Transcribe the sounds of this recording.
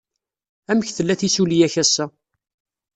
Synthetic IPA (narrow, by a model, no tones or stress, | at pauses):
æməçθəlːæθisulijæçæsːæ